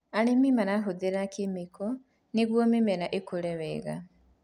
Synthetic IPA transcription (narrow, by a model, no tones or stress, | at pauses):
alimimanaɦuðiɾakʰimikʰo | niɣwomimeɾaʔekuleβeɣa̰